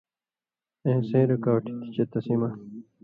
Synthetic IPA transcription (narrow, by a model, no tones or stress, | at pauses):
ẽːsẽːɾekaːʈi̥t̪i̥t͡ɕet̪ɐsimɐ